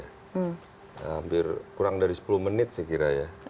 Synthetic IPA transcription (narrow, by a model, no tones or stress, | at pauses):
a | hampɪrkuɾaŋdaɾisə̥pulʊhmənɪt̪̚səkiɾaja